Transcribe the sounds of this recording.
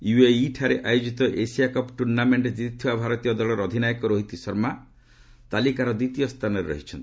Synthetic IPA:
jueiʈʰaɾeʔajod͡ʒit̪ɔʔesiakɔpʈuɾnameɳʈd͡ʒit̪it̪ʰibabʱaɾɔt̪ijɔd̪ɔɭɔɾɔd̪ʱinajɔkɔɾoɦit̪isɔɾma | t̪alikaɾɔd̪it̪ijɔst̪ʰanɔɾeɾɔ̰ɦit͡ʃʰɔnt̪i̥

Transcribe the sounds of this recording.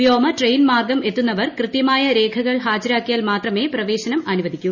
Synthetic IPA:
joːmɐʈrejnmaːrɡɐme̞t̪ːunːɐʋɐrkrɨt̪jɐmaːjɐɾe̞ːkʰɐɣɐɭɦaːd͡ʑɐɾaːkːijaːlmaːt̪rɐme̞ːprɐʋe̞ːɕɐnɐmɐnuʋɐd̪ʱikʲːu

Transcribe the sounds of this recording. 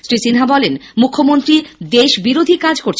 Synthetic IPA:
sɾisinɦabɔlenmukʰːomont̪ɾid̪eʃbiɾod̪ʱikad͡ʑkoɾt͡ɕʰ

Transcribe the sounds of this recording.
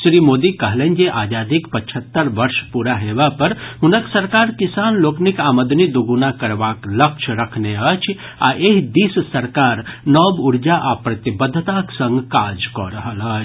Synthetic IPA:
sɾimod̪ikəɦlɛnd͡ʒeʔaːd͡ʒad̪ikpət͡ʃʰət̪ːəɾʋəɾʃpuɾaɦebapəɾɦunəksəɾkaɾkisanloknikaːməd̪nid̪uɡunakəɾbaklək̚t͡ʃʰɾəkʰneət͡ʃʰ | a̰ʔeɦd̪issəɾkaɾnɔbuɾd͡ʒaʔapɾət̪ibəd̪ʱːt̪aksə̃ŋɡkad͡ʒkɔ̰ɾəɦələt͡ʃʰ

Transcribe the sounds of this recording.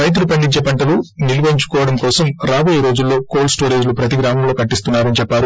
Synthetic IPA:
ɾɐjt̪̬ulupɐɳɖit͡ʃːɐpɐɳʈɐluniluʋɐiɲt͡ʃu̥kɔːʋɐɽɐmkɔːsɐmɾaːboːjeɾo̞ːd͡ʒulːo̞ːkoːlsʈoːɾe̞ːd͡ʒlupɾɐt̪iɡɾaːmɐmlo̞ːkɐʈːist̪unːaːɾɐnit͡ʃɛpːaːɾu

